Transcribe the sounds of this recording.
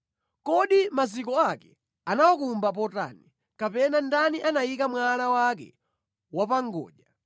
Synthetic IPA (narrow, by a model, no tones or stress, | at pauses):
kɔɗimazikɔakɛ | anawɔkumbap̬ɔta̰ni | kapɛnandaniʔanajikamwalawak̬ɛ̰ | wapaŋɡɔ̰ːʄa